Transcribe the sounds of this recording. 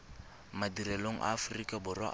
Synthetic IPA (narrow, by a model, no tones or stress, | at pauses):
madirɛloŋ̩ʔa̰ːfrikʼabʊrwa̰